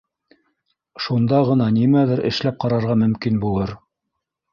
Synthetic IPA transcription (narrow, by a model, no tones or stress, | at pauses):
ʃund̪ɑʁɤ̆nɑnimæðɘɾɘ̰̆ʃlæp̚qɑɾɑɾʁɑmɵ̆mkinbulˠɤɾ